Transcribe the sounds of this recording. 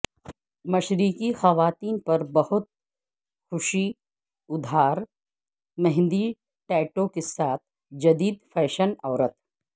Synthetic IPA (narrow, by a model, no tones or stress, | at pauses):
mɐʃɾiːkixɐʋaːt̪iːnpɐɾbɐhʊt̪̚ | xʊʃi | ʊd̪ʱaːɾ | mɛɦnd̪i | ʈɛːʈõkesaːt̪ʰ | d͡ʒɐd̪iːd̪fʰɛːʃənɔːɾət̪̚